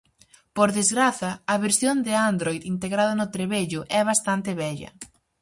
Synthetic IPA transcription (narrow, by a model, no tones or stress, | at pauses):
poɾðezɣɾaθɐɐβeɾsjond̪ɪand̪ɾojðint̪eɣɾaðɐnʊt̪ɾeβeʎʊʔɛβast̪ant̪ɪβɛʎɐ̰